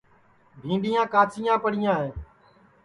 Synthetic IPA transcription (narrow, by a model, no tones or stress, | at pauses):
bʱĩːɳɖijãːkaːt͡sijãːpəɽɪjãːɦẽː